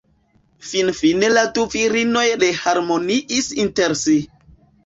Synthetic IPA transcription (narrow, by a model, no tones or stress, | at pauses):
finfineladuviɾino̞jɗehaɾmoniʔisinteɾsi